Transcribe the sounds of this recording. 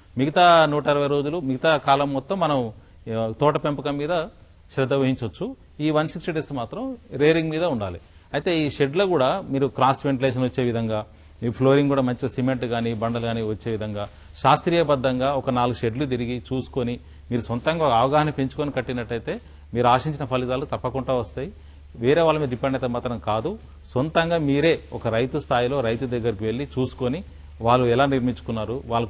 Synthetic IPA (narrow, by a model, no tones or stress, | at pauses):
miɡɐt̪aːnuːʈɐɐɾɐʋɐjɾo̞ːd͡ʒulumiɡɐt̪aːkaːlɐmːɔt̪ːɐmːɐnɐm | t̪ɔːʈɐpe̞mpɐkɐmːiːd̪ɐ | ʃɾɛd̪ːɐʋɐɦiɲt͡ʃɐt͡ʃːu | iːʋɐnsiksʈiɖesmaːt̪ɾɐmɾeːɾiŋɡmiːd̪ɐuɳɖa̰ːli | ɐjt̪e̞ːiːʃeɖlɐkuːɽaːmiːɾukɾaːsʋeɳʈileːʃ̬ɐnʋɐt͡ʃːe̞ːʋid̪ʱɐŋɡaː | ipʰlo̞ːɾiŋɡkuːɽaːmɐɲt͡ʃisime̞ɳʈɡaːnibɐɳɖɐlɡaːniʋɐt͡ʃːe̞ːʋid̪ʱɐŋɡaː | ʃaːst̪ɾijɐbɐd̪ːɐŋɡaːɔkɐnaːluɡuʃe̞ɖlut̪̬iɾiɡit͡ʃuːsu̥koni | miːɾusont̪ɐŋɡaːɔkɐɐʋɐɡaːɦɐnɐmpe̞ɲt͡ʃu̥konikɐʈːinɐʈːɐjt̪e̞ː | miːɾuaːʂiɲt͡ʃinɐpʰɐlit̪aːlut̪ɐpːɐkuɳʈaːʋɐst̪aːji | ʋeːɾe̞ːʋaːɭːɐmiːd̪ɐɖipeɳɖɐt̪ɐmaːt̪ɾɐmkaːd̪u | sont̪ɐŋɡaːmiːɾe̞ːɔkɐɾɐjt̪ust̪ʰaːjlo̞ːɾɐjt̪ud̪ɐɡːɐɾikiʋe̞ɭːit͡ʃuːsu̥ko̞ni | ʋaːɭːuɛlaːniɾmiɲt͡ʃu̥kunːaːɾuʋaːɭːɐk